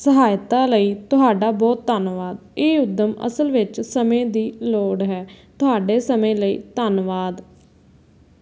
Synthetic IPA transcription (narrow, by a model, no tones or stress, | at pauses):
səɦaːjt̪aːləiːt̪ʊɦaːɖaːbɔːt̪ːanʋaːd̪eːʊd̪ːəmə̰səlʋɪt͡ʃsəmẽːd̪iːloːɽɦɛːt̪ʊɦaːɖeːsəmẽːləḭːt̪ənʋaːd̪